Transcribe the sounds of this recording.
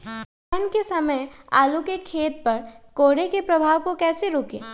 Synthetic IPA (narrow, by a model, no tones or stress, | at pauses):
ənkesɐməja̰ːlukekʰeːt̪̚pɐɾkoːɽekepɾɐbʱaːʋkokɛːseɾoːkḛ̃ː